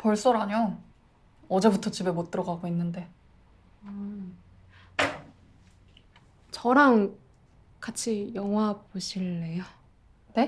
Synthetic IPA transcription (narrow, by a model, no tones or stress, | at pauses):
pʌɭs͈oɾaɲo | ʌd͡ʑe̞butʰʌt͡ɕibe̞mot͈ɯɾʌɡaɡoinːɯnde̞ | t͡ɕʌɾaŋ | kat͡ɕʰijʌŋwab̚oɕʰiɭːe̞jo | ne̞